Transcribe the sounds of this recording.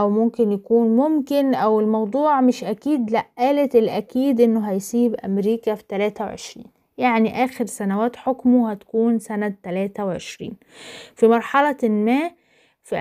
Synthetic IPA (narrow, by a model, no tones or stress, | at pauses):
ʔæwmʊmkɪnjakuːnmʊmkɪnʔæwɪlmɑwd̪ˤuːʕmɪʃʔækiːd̪læʔʔæːlet̪ɪlʔækiːd̪ʔɪnːʊɦæjsiːbʔæ̰mɾiːkæfi̥t̪ælæːt̪æwʕḛʃɾḭːn | jaʕniʔæːxeɾsænæwæːt̪ħokmuhæt̪æ̥kuːnsænæt̪ːælæːt̪æwʕḛʃɾḭːn | fimɑɾˤħɑlɑlmæː | fi